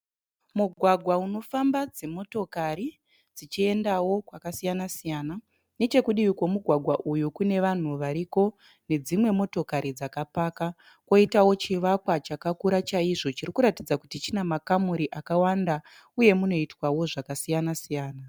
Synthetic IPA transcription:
muɡʱwaɡʱwauno̞fambad͡zemo̞to̞kaɾi | d͡zit͡ʃie̞ndawo̞kwakasijanasijaːna | ne̞t͡ʃe̞kuɗiwikwo̞muɡʱwaɡʱwaʔujukune̞ʋan̤uʋaɾiko̞ | ne̞d͡zimwe̞mo̞to̞kaɾid͡zakapaːka | kwo̞itawo̞t͡ʃiʋakwat͡ʃakakuɾat͡ʃaiʐo̞t͡ʃiɾikuɾatid͡zakutit͡ʃinemakamuɾiʔakawanda | uje̞muno̞itwawo̞ʐakasijanasijaːna

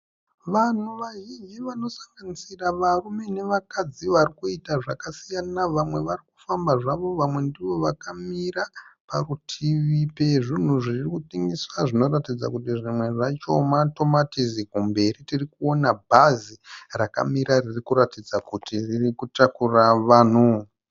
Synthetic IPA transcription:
ʋan̤uʋaɦid͡ʒiʋano̞sḁŋɡanisiraʋarumene̞ʋakad͡ziʋarikuitaʐakasijanaʋamwe̞ʋariku̥fambaʐaʋo̞ʋamwe̞ndiʋo̞ʋakamiɾaparutʰiʋipeʐin̤uʐirikutiŋɡiswaʐino̞ɾatid͡za̰kutiʐimwe̞ʐat͡ʃo̞mato̞matizikumbe̞ɾitirikuonabʱaziraka̰miɾaririkuratid͡zakutiririkutakuraʋaːno

